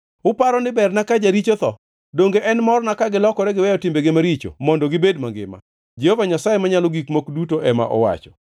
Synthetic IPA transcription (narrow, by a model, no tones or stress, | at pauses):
ʊpaɾɔnɪbɛrnakad͡ʒaɾit͡ʃot̪ɔ | doŋɡeʔɛnmɔrnakaɡɪlɔkɔɾɛɡɪwɛjɔtɪmbeɡɪmaɾit͡ʃo̰mɔndɔɡɪbedmaŋɡɪ̰ma̰ | d͡ʒehovaɲasajemaɲaloɡikmokdutoʔɛma̰ʔɔ̰wa̰t͡ʃɔ̥